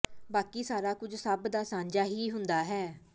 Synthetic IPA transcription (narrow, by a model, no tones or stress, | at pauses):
baːkiːsaːɾaːkʊd͡ʒsəbd̪aːsãːɲd͡ʒaːɦiːɦʊnd̪aːɦɛː